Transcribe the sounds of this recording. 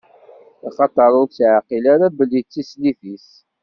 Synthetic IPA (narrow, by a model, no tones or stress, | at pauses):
iχɑt̪ɑɾˤʊɾsʕaqilaɾabəlːit͡sːisliθis